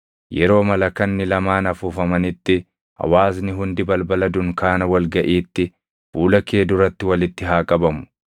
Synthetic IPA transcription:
jɛɾo̞ːmɐlɐkɐnːɪlɐmaːnɐfʊfɐmɐnɪt̪ːɪ | ɐ̰waːsnɪɦʊnd̪ɪbɐlbɐlɐd̪ʊŋkaːnɐwɐlɡɐʔiːt̪ːɪ | fuːlɐkeːd̪ʊɾɐt̪ːɪwɐlɪt̪ːɪɦaːkʼɐbɐmʊ̥

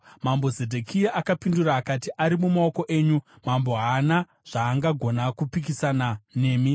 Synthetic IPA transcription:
mambo̞zedʱekʰiaʔakapinduraːkatiʔaɾimumaoko̞ʔe̞ːɲu | mambo̞ɦana | ʐ̥aːŋɡaɡʱo̞nakupikisanane̞ːmi

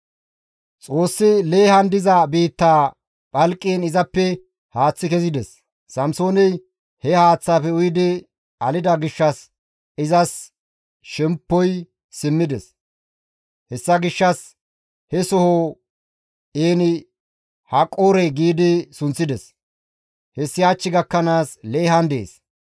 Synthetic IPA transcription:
t͡sʼo̞ːsːɪle̞ːhɐnd̪ɪzɐbiːt̪ːaː | pʼɐlkʼːiːnɪzɐpːɛ | haːt͡sːɪkɛzɪd̪ɛsː | ɐmso̞ːnɛj | hɛhaːt͡sːaːfɛʊjɪd̪ɪ | ɐlɪd̪ɐɡɪʃːɐs | ɪzɐs | ʃɛmpːɔj | sɪmːɪd̪ɛs | hɛsːɐɡɪʃːɐs | hɛsɔhoː | eːnɪ | hɐkʼoːɾɛɡiːd̪ɪsʊnt͡sːɪd̪ɛs | hɛsːɪɐt͡ʃːɪɡɐkːɐnaːsleːɦɐnd̪ḛːs

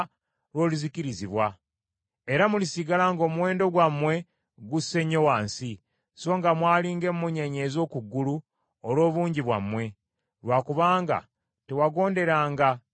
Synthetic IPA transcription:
ɾwo̞ːluziciɾiziβwa | eɾamulisiɡalaŋɡo̞ːmuwe̞ːndo̞ɡwamːwe̞ | ɡusːe̞ɲo̞waːnsi | so̞ŋɡamwaːliːŋɡe̞mːuɲeɲeːzo̞kuɡːulu | olwo̞ːβuːɲɟiβwamːwe̞ | lwaːkuβaːŋɡa̰ | tewaɡo̞ːnde̞ɾaːŋɡa

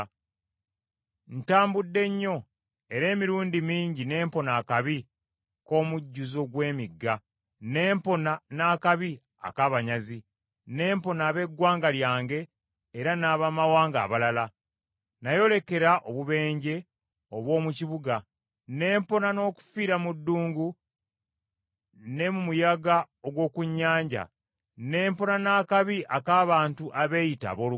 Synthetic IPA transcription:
n̩taːmbudːe̞ɲːo̞ | e̞ɾe̞ːmiɾuːndimiːɲɟine̞ːmpo̞naːkaβi | ko̞ːmuɟːuzo̞ɡwe̞ːmiɡːa | ne̞ːmpo̞nanaːkaβi | a̰kaβaɲazi | ne̞ːmpo̞naːβe̞ɡwaːŋɡaljaːŋɡe̞ː | ɾanaːβaːmawaːŋɡa̰ːβalala | najo̞le̞ke̞ɾaʔo̞βuβe̞ːɲɟe̞ | o̞βwo̞ːmuciβuɡa | ne̞ːmpo̞nano̞ːku̥fiːɾamudːuːŋɡu | ne̞mumujaɡa | oɡwo̞ːkuɲːaːɲɟa̰ | ne̞ːmpo̞nanaːkaβiʔakaːβaːntuʔaβe̞jita̰βo̞ːlu

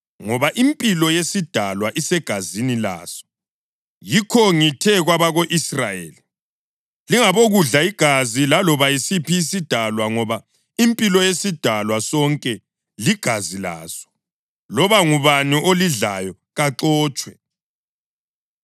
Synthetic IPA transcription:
ŋɔβaʔimpʼilɔjesid̥ʱalwaʔisɛɡ̥ʱazinila̰ːsɔ̥ | jikʰɔŋitʰɛɣwaβaɣoʔisra̰jḛːli | liŋaβoɣuɮaiɡ̥ʱazilalɔβajisipʰiːsid̥ʱalwaŋɔβa | impʼilɔjesid̥ʱalwasɔŋkʼɛ | liɡ̥ʱazila̰ːsɔ̥ | lɔβaŋuβaniʔoliɮajɔ | ɣaǁɔːt͡ʃʼwɛ

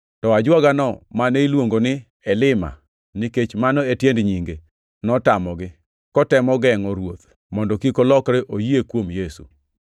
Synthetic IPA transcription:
tɔad͡ʒwaɡanɔmaneilwoŋɡonɪ | ɛlɪma̰ | niket͡ʃmanɔetjendɲiŋɡe | nɔtamɔɡɪ | kɔtɛmɔɡɛŋɔɾwot̪ | mɔndɔkikolɔkɾeʔojiekwomjesṵ

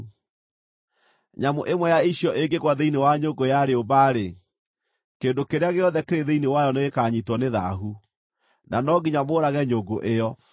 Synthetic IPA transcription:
ɲamoʔemwɛjaiɕjɔʔeɡeɣwaðeinewaɲoɡojaɾeobaːɾe | keːndokeɾeaɣeɔðɛkeɾeðeinewajɔneɣekaɲitwɔneða̰ɦu | nanɔɣiɲamoːɾaɣɛɲoɡoʔejɔ

